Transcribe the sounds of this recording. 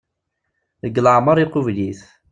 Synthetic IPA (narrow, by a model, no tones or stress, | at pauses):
ðəɡːləʕməɾˤiqʊvliθ